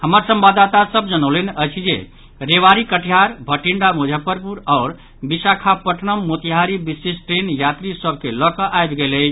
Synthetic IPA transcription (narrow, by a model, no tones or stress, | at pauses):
həməɾsə̃mbad̪at̪asəbd͡ʒənəʊlenət͡ʃʰid͡ʒḛ | ɾeʋaɾikəʈʰijaɾbʱəʈiɳɖamud͡ʒʱəpəɾpuɾɔʊɾ | bisakʰapəʈʰnəmːot̪iɦaɾibisesʈɾenjat̪ɾisəbʱkelɔkəʔajb̪ɡelət͡ʃʰ